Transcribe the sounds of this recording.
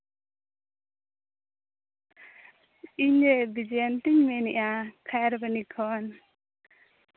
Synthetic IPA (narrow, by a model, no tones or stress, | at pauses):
iɲɾɛbid͡ʒɛjant̪iɲmɛniʔakʰajɾbənikʰɔn